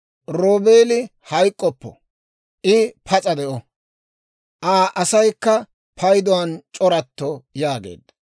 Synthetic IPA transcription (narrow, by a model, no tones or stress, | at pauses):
ɾoːbe̞ːlɪ | hɐjkʼːɔpːɔ̰ | ʔɪpʰɐt͡sʼɐd̪ɛʔɔ | ʔaːʔɐsɐjkːɐ | pʰɐjd̪ɔwɐnt͡ʃʼɔɾɐt̪ːɔjaːɡḛːd̪